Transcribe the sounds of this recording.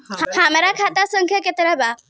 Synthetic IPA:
hhãməɾakʰat̪asəŋkʰjəket̪əɾaba

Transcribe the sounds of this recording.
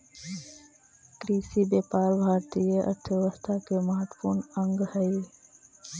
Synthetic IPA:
kɾiːsibeːpaːlbʱaːɾt̪ijeʔɐ̰ɾt̪ʰəʋəst̪ʰakemɐɦət̪puːɾɳə̃ŋɡhɛj

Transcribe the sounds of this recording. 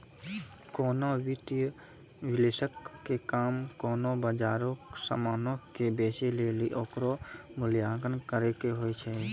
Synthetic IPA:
koːnowit̪j | ʋɪlesəkːekaːmkɔːnobad͡ʒaːɾosa̰maːnõkebeːseleːliʔoːkɾo | mʊljaːɡənkəɾekeɦoet͡ʃʰɛ

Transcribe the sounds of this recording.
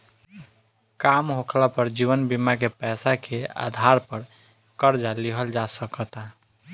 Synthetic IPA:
kamɦokʰlapəɾd͡ʒiβənbimakepɛsakʰea̰d̪ʱaɾpəɾ | kəɾd͡ʒaliɦəld͡ʒasəkət̪a

